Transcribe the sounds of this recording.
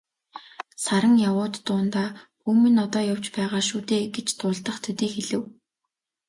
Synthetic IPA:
saɾə̆ŋjawʊːt̪ːʊːnt̪aːxuːmɘ̆nɔt̪ɔːjaw̥t͡ɕpæːʁaːʃuːt̪eːɡet͡ɕt̪ʊːɮt̪ə̆χt̪ʰɵt̪iːxeɮɘ̆w

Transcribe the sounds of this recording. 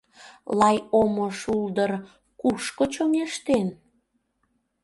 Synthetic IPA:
lɑjomoʃuld̪ər | kuʃkot͡ɕomeʃt̪en

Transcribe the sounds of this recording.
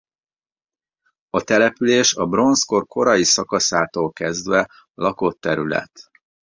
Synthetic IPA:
ɒt̪ɛlɛpyleːʃɒbro̞nsko̞rkʰo̞ɾɒjisɒkɒsaːt̪oːlkɛzd̪ʋɛ | lʔɒko̞t̪ːɛɾylɛ̰t̪

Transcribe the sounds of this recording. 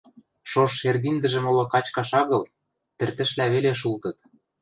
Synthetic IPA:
ʃoʃːerɣind̪ə̆ʒə̆molokɑt͡ɕkɑʃɑɣɤ̆l | t̪ɘ̆rt̪ɘ̆ʃlæβeleʃ̬ult̪ɤ̆t̪̚

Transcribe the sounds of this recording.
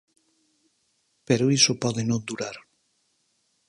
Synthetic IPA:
peɾoisopɔðenõnd̪uɾaɾ

